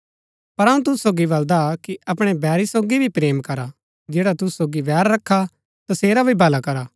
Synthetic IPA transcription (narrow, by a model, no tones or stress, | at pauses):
pɐɾaũt̪̬ʊssoːɡibɐld̪akiʔɐpɽ̃ebɛːɾisoːɡibʱipɾeːmkɐɾa | d͡ʒeːɽat̪ʊssoːɡiʋɛːɾːɐkʰːa | t̪ɐseːɾabʱibʱɐlakɐɾaː